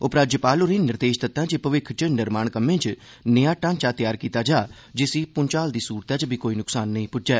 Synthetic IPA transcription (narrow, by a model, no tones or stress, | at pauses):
ʊpɾaːd͡ʒəpaːlʊɾĩːnɪɾd̪eːʃd̪ɪt̪ːãːt͡ʃipəʋɪkʰt͡ʃnɪɾmaːɳkəmːẽːt͡ʃ | nəjaːʈãːnt͡ʃaːt̪ɪjaːɾkiːt̪aːd͡ʒaː | d͡ʒɪsiːpʊnt͡ʃaːld̪iːsuːɾt̪aːt͡ʃbʱiːkoːiːnʊksaːnːəĩːpʊd͡ʒɛː